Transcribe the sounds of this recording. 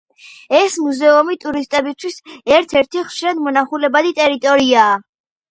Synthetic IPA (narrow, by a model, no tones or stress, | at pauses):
ɛsmuzɛumit̪ʼuɾist̪ʼɛbist̪ʰwisɛɾt̪ʰɛɾt̪ʰiχʃiɾad̪mɔnaχulɛbad̪it̪ʼɛɾit̪ʼɔɾiaː